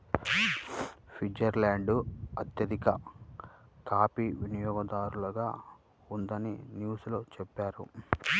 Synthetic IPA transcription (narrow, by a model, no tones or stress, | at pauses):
pʰid͡ʒɐɾlaːɳɖuɐt̪jɐd̪ikɐ | t̪aːpiʋinijɔːɡɐd̪aːɾulɐɡaː | und̪ɐnḭnjuːsloːt͡ʃɛpːaːɾṵ